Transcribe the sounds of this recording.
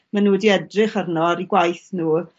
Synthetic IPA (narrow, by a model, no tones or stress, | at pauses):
manuːdiɛdrɪχərnɔɾiɡwajθnuː